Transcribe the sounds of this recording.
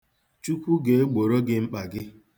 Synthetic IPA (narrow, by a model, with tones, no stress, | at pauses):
t͡ʃu˦kʷu˦ɡe˨˦ɡ͡bo˨ɾo˦ɡɪ˦ŋ͡m̩˦k͡pa˨ɡɪ˦